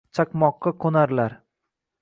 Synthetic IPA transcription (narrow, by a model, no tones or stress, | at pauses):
t͡ʃʰakmɒqːɑkʰonaɾlaɾ